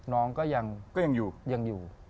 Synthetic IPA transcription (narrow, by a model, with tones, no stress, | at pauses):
nɔː˨˦˥ŋkɔː˥˩ja˧ŋkɔː˥˩a˧ŋjuː˨˩ja˧ŋjuː˨˩